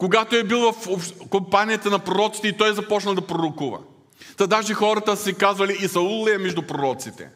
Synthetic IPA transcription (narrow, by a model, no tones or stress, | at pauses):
koɡat̪oɛbilˠvɐfopʃkompanijət̪ɐnɐpɾoɾɔt̪si̥t̪ɛit̪ɔjɛzɐpɔt͡ʃnɐlˠd̪ɐpɾoɾokuvɐ̰ | t̪ɐd̪aʒixɔɾɐt̪əsɛkazvɐliisɐulˠɛmɛʒd̪ʊpɾoɾɔt̪sit̪ɛ̰